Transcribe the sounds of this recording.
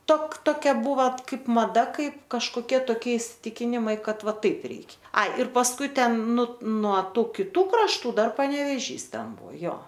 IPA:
toːk toːˈkʲɛ ˈbuːʋɐ ˈkɐɪp mɐˈdɐ ˈkɐɪp kɐʃkoːˈkʲiɛ toːˈkʲiɛ ɪsʲɪˈtʲɪkʲɪnʲɪmɐɪ ˈkɐt ˈʋɐ ˈtɐɪp ˈrʲɛɪkʲ ˈɐɪ ɪr pɐsˈkʊɪ ˈtʲɛn nʊ nuɔ ˈtuː kʲɪˈtuː krɐʃˈtuː ˈdɐr pɐnʲɛʋʲɛˈʒʲiːs ˈtʲɛn ˈbuɔ ˈjoː

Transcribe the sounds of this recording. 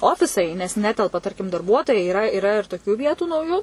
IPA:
ˈoːfʲɪsɐɪ nʲɛs ˈnʲæːtʲɛlˠpɐ ˈtɐrʲkʲɪm dɐrˈbuɔtoːjɛɪ iːˈrɐ iːˈrɐ ɪr toːˈkʲʊ ˈʋʲiɛtʊ nɐʊˈjuː

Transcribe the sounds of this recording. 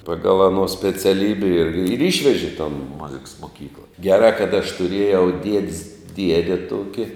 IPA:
ˈpɑːɡɐlˠ ɐˈnoː sʲpʲɛt͡sʲɛˈlʲiːbʲɛ ɪr ɪr ˈɪʃʲʋʲɛʒʲɪ toːn ˈmʊzʲɪks moːˈkʲiːklˠɐ ɡʲɛˈrɑː kɐt ɐʃ tʊˈrʲiɛjɛʊ ˈdʲiɛdʲɪs ˈdʲiɛdʲɛ ˈtuɔkʲɪ

